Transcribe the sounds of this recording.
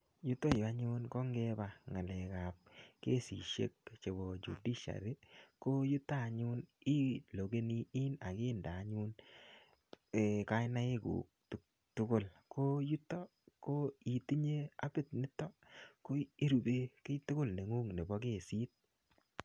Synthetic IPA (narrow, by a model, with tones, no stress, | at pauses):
ju˦to˦˨ja˦ɲʊ˦nkɔ˦ŋɡɛ˦ba˨ŋa˨lɛ˨ka˨p̚ke˦sḭ˨ʃḛ˦k̚t͡ʃe˨bɔ˨d͡ʒṵ˨di˦ʃa̰˨ɾɪ˦ko˦ju˦ta˦˨ɲʊ˦ni˦lo˨ɡe˦ni˦i˦na˨kɪ˦ndaː˨˦ɲu˦n | e˨ka˦ɪ˦na˦ɪ˦kṵ˨k̚tu˨k̚ | tʊ˦kʊ˦˨lko˦ju˦tːɔ˦ | ko˦i˨ti˦ɲe˦a˦bɪ˦t̚nɪ˦tːɔ˦ko˦i˦ɾu˨be˦kɪ˦tʊ˦kʊ˦lne˨ŋu˦ŋne˨bɔ˦ke˦˨si˦t̚